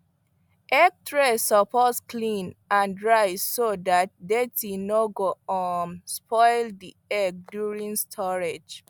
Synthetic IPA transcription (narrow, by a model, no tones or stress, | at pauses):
ʔɛɡ̚tʰɹɛsɔposkʰlĩnãndɹaɪsodat̚detinoɡoɔnspʰɔɪldi | ɛɡ̚djuɹĩŋstʰɔɹed͡ʒ